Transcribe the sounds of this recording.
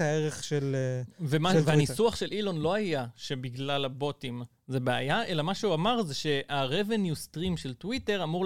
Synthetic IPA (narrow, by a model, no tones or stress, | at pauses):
aeʁeχʃelvemaveanisuaχʃelʔilo̞nlo̞ajaʃebiɡlalabo̞tim | zebea̰jae̞lamaʃeuamaʁzeʃe̞ʔaʁevenjustʁimʃeltwite̞ʁamuʁ